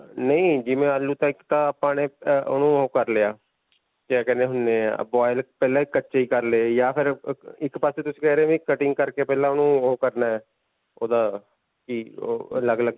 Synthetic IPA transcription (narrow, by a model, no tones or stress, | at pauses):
nəĩːd͡ʒɪmẽːəlːuːt̪ãɪkt̪ãːpãːneːonũːokəɾleːaː | kakɛ̃ːneːɦʊnːḛːbɔːɪlpɛːlãːɪkːətːʃeːiːkəɾlejaːpʰɪɾɪkpaːseːt̪ʊsĩ̥ːkɛːɾeaːʋĩːkəʈɪŋɡkəɾkeːpɛːlãːʊnũːokəɾnaːɛː | o̰ːd̪aː | kḭləɡləɡ̚